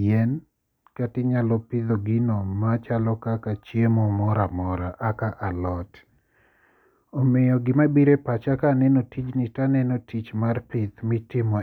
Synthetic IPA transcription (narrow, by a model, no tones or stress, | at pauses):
ɛn | katɪɲalɔpɪd̪oɡinomat͡ʃalɔkakat͡ʃjemɔmɔɾamɔɾaʔakaʔalɔt | omejɔɡɪmabiɾepat͡ʃakanɛnotit͡ʃnɪtanɛnotʰit͡ʃmarpɪt̪mɪtɪmɔ